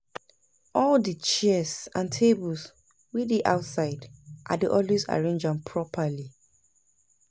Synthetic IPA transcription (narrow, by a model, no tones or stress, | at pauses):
ɔldit͡ʃɛsãntʰebuls | widiʔaʊtsaɪdʔadiʔɔlwesa̰ɹẽnd͡ʒãnpʰɹɔpʰali